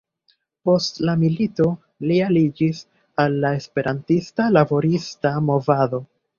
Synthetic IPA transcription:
po̞stlamilito̞ | lialid͡ʒis | alːae̞spe̞ɾʔantistalabo̞ɾistamo̞vado̞

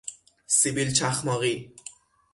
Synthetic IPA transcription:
sibilt͡ʃʰaχmɔɣi

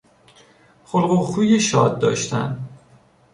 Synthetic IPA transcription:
xolɢoxuːjeʃɒːd̪̚ːɒ̰ːʃt̪ʰæ̰n

